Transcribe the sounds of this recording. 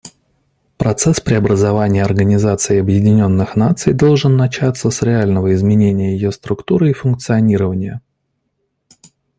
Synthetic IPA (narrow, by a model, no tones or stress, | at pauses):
pɾɐt̪sɛspɾʲɪɐbɾəzɐvanʲɪjəɐrɡənʲɪzat̪sɨɪɐbjɪdʲɪnʲo̞nːɨxnat̪sɨjd̪o̞lˠʐɨnːɐt͡ɕat̪sːəsɾʲɪalʲnəvəɪzmʲɪnʲenʲɪjəjɪjost̪ɾʊkt̪uɾɨifʊnk̚t̪sɨɐnʲiɾəvənʲɪjə